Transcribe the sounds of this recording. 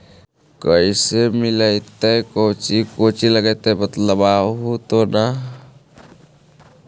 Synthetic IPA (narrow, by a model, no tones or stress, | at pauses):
kəisemiləɪt̪əjkowt͡ʃikot͡ʃiləɡəjt̪əbət̪ləbaɦut̪ona